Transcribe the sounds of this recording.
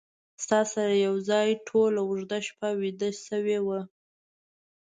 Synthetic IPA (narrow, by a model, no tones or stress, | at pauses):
st̪ɑsaɾajawzɑjʈʰolawʊʐd̪aʃpawid̪əsəwewə